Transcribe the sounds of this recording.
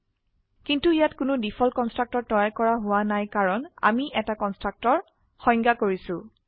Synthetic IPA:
kintuijatkʊnʊdipʰɔlkɔnstɹak̚tɔɹ̚dɔjajkɔɹaɦʊwanajkaɹɔna̰miʔɛtakɔnstɹak̚tɔɹ | xɔ̃j̃ŋɡakoɹisʊ̃

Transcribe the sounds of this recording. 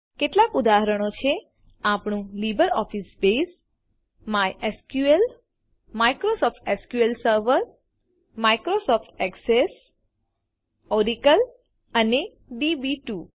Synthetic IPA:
keʈlakud̪aɦəɾəɳ̃ot͡ʃʰe | apɳũlibəɾɔfisbes | majʔeskjuel | maikɾosɔfʰʈeskjuelsəɾʋəɾ | maikɾosɔfʰʈɛkses | ɔɾikəl | əne | ɖibiʈu

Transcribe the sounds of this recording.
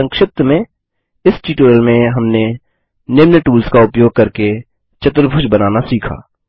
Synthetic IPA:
ə̃ŋkʃɪp̚t̪mẽ | ɪsʈiːʈuːɾəlmẽɦɐmne | nɪmnəʈuːlskaʊpjoːɡ̚kɐɾke | t͡ʃət̪ɾəbʱʊʃbənaːnasiːkʰa̰ː

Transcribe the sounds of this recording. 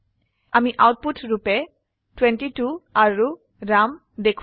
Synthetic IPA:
amiʔawt̚putʰɹupɛ | twenʈituaɹu | ɹam | dekʰ

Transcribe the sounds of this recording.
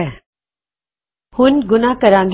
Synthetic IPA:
hʊnɡʊnakɐɾãːnd̪

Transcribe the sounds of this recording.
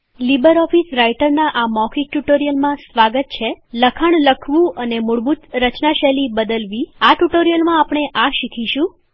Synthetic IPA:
libəɾɔfisɾaiʈəɾnaʔamɔkʰik̚ʈuʈoɾijəlmãsʋaɡət̪̚t͡ʃʰeləkʰaɳləkʰʋũənemuɭbut̪ɾət͡ʃnaʃɛlibəd̪əlʋiaʈuʈoɾijəlmãapɳ̃eʔaʃikʰiʃũ

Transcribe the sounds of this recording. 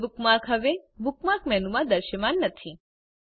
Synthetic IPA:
bʱukmaɾkɦəʋebʱukmaɾkmɛnumãd̪əɾʃəmanːət̪ʰi

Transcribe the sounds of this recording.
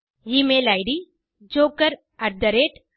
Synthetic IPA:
jimelajɽi | d͡ʑokəɾ | əɾd̪əɾeʈ

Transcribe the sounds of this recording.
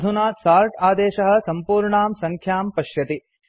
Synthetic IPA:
d̪ʱunaːsaːɾʈaːd̪eːʃɐɦɐ̆sɐmpuːɾɳaːmsɐŋkʰjaːmpɐʃjɐt̪i

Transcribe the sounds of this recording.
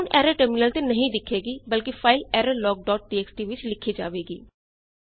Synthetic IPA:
unɛːɾəʈəɾmɪnəlt̪eːnəɦĩːd̪ɪkʰːeːɡiːbəlkipʰaːɪlɛːɾəlɔːɡ̚ɖɔːʈ̚ʈiːɛːksʈiːʋɪt͡ʃlɪkʰiːd͡ʒaːʋeːɡiː

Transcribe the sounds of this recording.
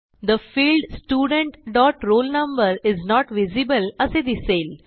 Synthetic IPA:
d̪əfiːlɖsʈjuːɖə̃ɳʈɖɔːʈɾoːlnɐ̃mbəɾɪznɔːʈʋɪzibələsed̪iseːl

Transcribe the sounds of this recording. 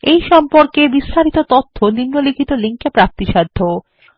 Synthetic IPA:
ejʃɔmpoɾkebist̪ʰaɾit̪ot̪ot̪ʰːoniŋnolikʰit̪oliŋkepɾak̚t̪iʃad̪ʱːo

